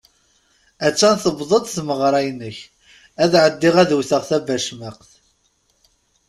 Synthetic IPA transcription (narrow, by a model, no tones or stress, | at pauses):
æt͡sːænθəbðˤəd̪ˤθməʁɾˤɑjnəç | æðʕəd̪ːɪʁæðuwθəʁθæbæʃməqθ